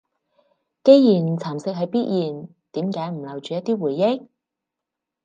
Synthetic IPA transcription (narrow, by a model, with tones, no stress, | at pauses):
ke˥jjiː˨˩nt͡sʰaː˨˩msɪ˧k̚ɦɵ˨˧jpiː˥t̚jiː˨˩n | t̪iː˨˥mkaː˨˧˥jm̩˨˩lɐ˨˩wt͡ʃyː˨jɐ˥t̚t̪iː˥wuː˨˩jːɪ˥k̚